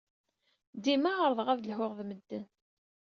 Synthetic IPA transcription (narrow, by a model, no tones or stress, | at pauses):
d̪imaʁəɾˤðˤʁæðlhʊʁðməd̪ːən